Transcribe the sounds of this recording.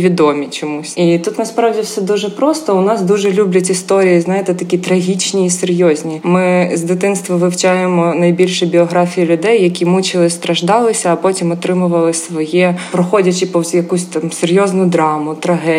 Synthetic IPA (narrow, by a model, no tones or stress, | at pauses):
ʋʲid̪ɔmʲit͡ʃɔmusʲit̪ut̪nɐspɾɑwdʲiwsɛd̪uʒɛpɾɔst̪ɔʊnɑsd̪uʒɛlʲublʲɐtʲist̪ɔɾʲijiznajet̪ɛt̪ɐkʲit̪ɾɐɦʲit͡ʃnʲiːserjɔzʲnʲimɪzd̪ɪt̪ɪnst̪ʋɐʋɪwt͡ʃajemɔnɐjbʲilʲʃɛbʲiɔɦɾafʲijilʲʊd̪ɛjːɐkʲimut͡ʃɪlˠɪst̪ɾɐʒd̪ɑlˠɪsʲɐːpɔtʲimɔt̪ɾɪmʊʋɐlˠɪsʋɔjɛpɾɔxɔdʲɐt͡ʃɪpɔwʲjɐkusʲt̪ɑmserʲjɔznʊd̪ɾɑmʊt̪ɾɐɦɛ